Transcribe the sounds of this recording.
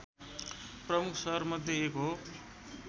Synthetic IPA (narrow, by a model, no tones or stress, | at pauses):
prʌmukʰsʌɦʌrmʌd̪ʱjeːko